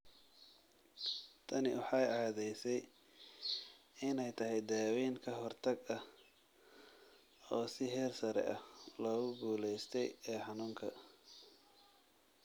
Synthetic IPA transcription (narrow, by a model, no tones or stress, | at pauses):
t̪ʰɐnɪwɑħɑjɑːðɛjsɛj | ɪnɛjt̪ʰɐɦɛjd̪aːwiːŋkʰɐɦɔrt̪ʰɐɡɐh | ɔːsɪɦɛːrsɐɾɛ̰ʔɐhlɔːɣʊɡuːlɛjst̪ʰɛjɛːħɑnuːŋkʰɐ̰